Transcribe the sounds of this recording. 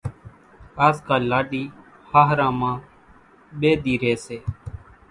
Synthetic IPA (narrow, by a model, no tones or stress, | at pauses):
aːskaːlaːɗiː | haːɦɾãːmãː | ɓeːd̪iːɾeːseː